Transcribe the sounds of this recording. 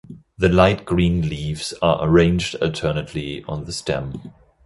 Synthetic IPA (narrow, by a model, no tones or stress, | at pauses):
ðɨlaɪt̚ɡ̥ɹĩːnliːvz̥ə˞ʔə̰ɹẽɪ̃nd͡ʒdə̰lˠtʰɜːnɨtʰliə̰̃nðəstɛ̰̃m